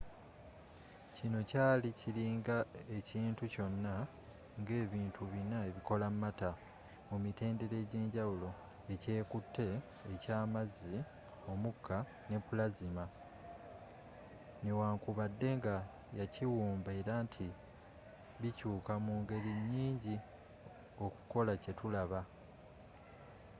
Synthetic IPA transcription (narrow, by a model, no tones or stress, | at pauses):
cino̞caːliciliːŋɡae̞ciːntuco̞nːa | ŋɡe̞ːβiːntʰuβinae̞βiko̞lammːata | mumite̞ːnde̞ɾe̞ɟe̞ːɲɟawulo̞ | e̞ce̞ːkutːe̞ː | caːmazi | o̞mukʰːa | ne̞pːulazima | newaːŋkuβadːe̞ŋɡa | jaciwuːmbaeɾaːntʰi | βicuːkamuːŋɡe̞ɾiɲːiːɲɟi | o̞ku̥ko̞lace̞tulaβa